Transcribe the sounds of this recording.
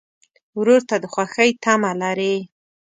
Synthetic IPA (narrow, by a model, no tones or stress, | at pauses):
wɾoɾt̪ad̪əxwaxəjt̪amalaɾe